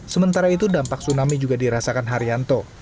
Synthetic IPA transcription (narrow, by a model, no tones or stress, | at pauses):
səmənt̪aɾait̪udampak̚sunamid͡ʒuɡadiɾasakanɦaɾiant̪o